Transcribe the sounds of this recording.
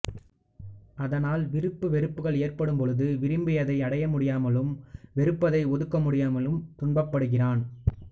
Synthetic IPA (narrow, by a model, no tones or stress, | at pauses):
ʔɐðɐnaːlʋɪɾɯpːɯʋɛɾɯpːɯɣɐɭeːrpɐɽɯmpɔɻɯðɯʋɪɾɪmbɪjɐðɐɪɐɽɐjɐmʊɽɪjaːmɐlɯmʋɛɾɯpːɐðɐɪɔðɯkːɐmʊɽɪjaːmɐlɯmt̪ʊɳbɐpːɐɽɯɣɪraːn